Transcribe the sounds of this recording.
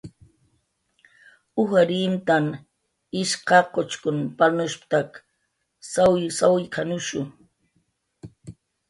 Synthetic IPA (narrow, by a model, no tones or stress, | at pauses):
ʊxaɾimt̪am | ɪʃqɑqot͡ʃkʊnpanʊʃpt̪ak | sawjsawɪjkʰanʊʃʊ